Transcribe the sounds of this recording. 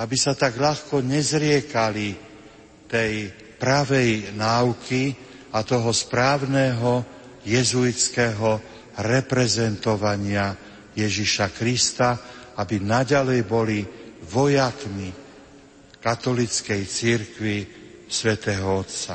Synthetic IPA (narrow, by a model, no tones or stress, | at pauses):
abisat̪aɡʎaxkɔɲɛzɾɪɛkali | t̪ɛj | pɾaʋɛjnaːukʰi | at̪ɔɦɔspɾaːʊnɛːɦɔ | jɛzuit͡skɛːɦɔ | ɾɛpɾɛzɛnt̪ɔʋaɲɪa | jɛʒiʃakɾist̪aabinaɟalɛjbɔliʋɔjakmi | kat̪ɔlit͡skɛjt͡siɾkʋisʋɛt̪ɛːɦɔɔt̪t͡sa